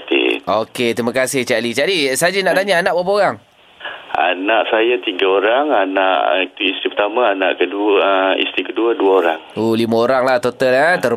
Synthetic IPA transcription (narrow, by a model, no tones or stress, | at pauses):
t̪ḭoket̪ɾimakasɪht͡ʃalid͡ʒadisad͡ʒanaʔt̪aɲaanaʔbapəoɾaŋ | a̰naʔsajat̪iɡaoɾaŋanaʔit̪uist̪ɾipət̪amãanã̰ʔkəduḭst̪ɾikəduəduaoɾaŋolimãoɾaŋlaht̪ot̪əlat̪ə